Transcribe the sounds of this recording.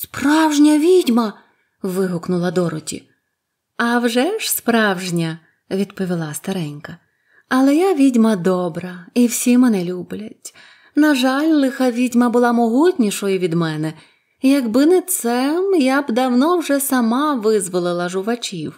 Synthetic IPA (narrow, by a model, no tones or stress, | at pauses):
spɾɑwʒnʲɐʋʲidʲmɐ | ʋɪɦʊknʊlˠɐd̪ɔɾʊtʲḭ | ɐwʒɛʃspɾɑwʒnʲɐ | ʋʲid̪pɔʋʲilˠɑst̪ɐɾɛnʲkɐ | ɐlˠɛjaʋʲidʲmɐd̪ɔbɾɐiwsʲimɛnɛlʲublʲɐtʲ | nɐʒɑlʲlˠɪxɐʋʲidʲmɐbʊlˠɑmɔɦutʲnʲiʃɔjiʋʲid̪mɛnɛ | jɐɡbɪnɛt̪sɛmjabd̪ɐwnɔwʒɛsɐmɑʋɪzʋɔlˠɪlˠɐʒʊʋɐt͡ʃʲiw